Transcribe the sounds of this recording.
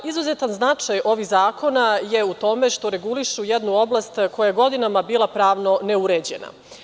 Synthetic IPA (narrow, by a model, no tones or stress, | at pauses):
izuzet̪anznat͡ʂajo̞ʋiɣzaːko̞najeut̪o̞me̞ʂt̪o̞ɾeɡuliʃujɛd̪nuo̞blˠast̪ko̞jajeɡo̞d̪inamabiːlˠapɾaːʋno̞neuɾed͡ʑḛna̰